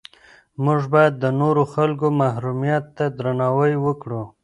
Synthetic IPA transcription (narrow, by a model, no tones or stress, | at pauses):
mʊʐbajad̪ːənoɾoxalkomahɾumijat̪ːad̪ɾanɑwəjwəkɽu